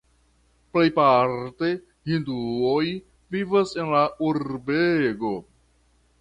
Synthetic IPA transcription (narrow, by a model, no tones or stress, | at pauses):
ple̞jpaɾte̞ | hinduoj | vivase̞nlauɾbeɡo̞